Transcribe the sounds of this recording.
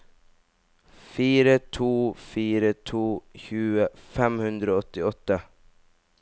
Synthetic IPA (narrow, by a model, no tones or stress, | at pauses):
fiːɾət̪ʰuːfyːɾət̪ʰuːçʉːafɛmhɵnd̪ɾəɔt̪ːɪɔt̪ːə